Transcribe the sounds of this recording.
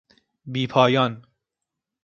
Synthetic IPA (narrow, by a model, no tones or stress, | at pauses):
biːpʰɒːjɒːn